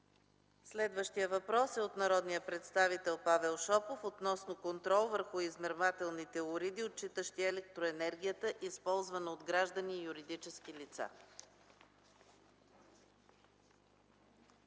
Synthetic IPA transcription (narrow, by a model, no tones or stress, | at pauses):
slɛd̪vəʃt̪ijəvɐpɾɔsɛot̪nɐɾɔd̪nijəpɾɛt̪st̪avit̪ɛlˠpavɛlˠʃɔpofot̪nɔsnokont̪ɾɔlˠvəɾxʊizmɛɾmat̪ɛlˠnit̪ɛʊɾid̪iot̪̚t͡ʃit̪əʃt̪iɛlɛk̚t̪ɾoɛnɛɾɡ̟ʲijət̪əʔispɔlˠzvənəod̪ɡɾaʒd̪əniːjuɾid̪it͡ʃɛskilit̪sa̰